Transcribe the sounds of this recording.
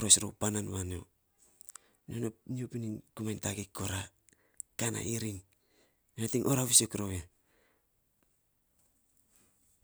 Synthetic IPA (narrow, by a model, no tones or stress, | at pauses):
ɾo̞sɾo̰wpananwano̰ | nononiopiniŋkumajntaɡikːoɾa | kana̰ʔiɾiŋ | onatiŋʔoɾaβisokɾoja